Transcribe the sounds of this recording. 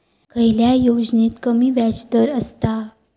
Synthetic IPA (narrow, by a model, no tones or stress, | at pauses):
kəjiljajod͡znet̪kəmiːʋat͡ɕd̪əɾəst̪a